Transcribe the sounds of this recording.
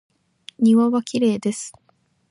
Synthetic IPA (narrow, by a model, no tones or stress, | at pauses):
ɲʲiβaβakʲiɾe̞ːd̪e̞sɨ̥